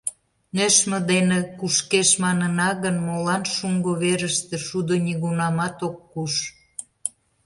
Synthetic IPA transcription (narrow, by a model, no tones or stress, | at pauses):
nøʃməd̪enekuʃkeʃmɑnənɑɣənmolɑnʃuŋɡoβeɾəʃt̪ĕʃud̪oniɣunɑmɑt̪okːuʃ